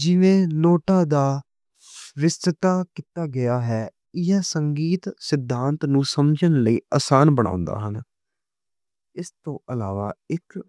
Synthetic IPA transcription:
d͡ʒɪʋẽːnoːʈaːd̪aː | ʋɪst̪ət̪aːkit̪aːɡɪaːɦɛː | ɪjaːsəŋɡiːt̪sɪd̪ʱːãːnt̪nũːsəmd͡ʒənləiːaːsaːnbəɽɳa̰ːʊ̃nd̪a̰ːɦən | ɪst̪õːʔəlaːʋaːɪk

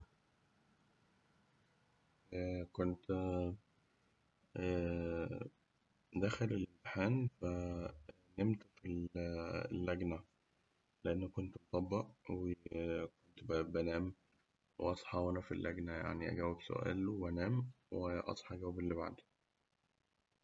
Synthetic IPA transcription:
kont̪ | d̪æxelelemħæːnfæ | nemt̪æfil | lːæɡnæ | leʔenːækːont̪bot̪ˤɑbːɑʔwekont̪bæbænæːm | wḛʔɑsˤħɑwænæfilːæɡnæja̰ʕniʔæ̰ɡæwːebso̰ʔæ̰ːlænæːm | weʔɑ̰sˤħɑɡæwæbelːiba̰ʕd̪i̥

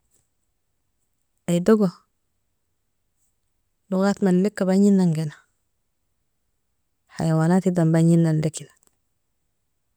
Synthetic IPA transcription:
ajdoɡo | luɡatmallekːabaɲinːaŋɡena | ha̰jawanatidambaɲinːandekidḁ

